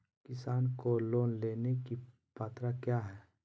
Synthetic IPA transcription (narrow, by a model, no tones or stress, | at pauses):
kɪsaːnkoloːnleːneki | paːt̪ɾakjaːɦɛː